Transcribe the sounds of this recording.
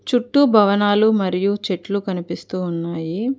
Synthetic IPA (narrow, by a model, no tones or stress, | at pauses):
t͡ʃuʈːubʱɐʋɐnaːlumɐɾijut͡ʃe̞ʈlukɐnipist̪uːnːaːji